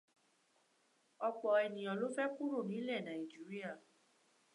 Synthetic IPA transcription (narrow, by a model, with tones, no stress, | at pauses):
ɔ˧k͡pɔ˨ɛ˨nĩ˨ɔ˨lo˦fɛ˦ku˦ɾu˦˨nĩ˨˦lɛ˦˨nã˨i˨d͡ʒi˨˦ɾi˦a˦˨